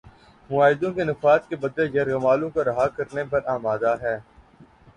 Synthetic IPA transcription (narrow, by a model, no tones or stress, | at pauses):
mʊaːɦɪd̪õkenɪfaːt̪̚kebɐd̪ejɐɾɣɐmaːlõkaɾɐɦakɐɾnepɐɾaːmaːd̪aɦɛː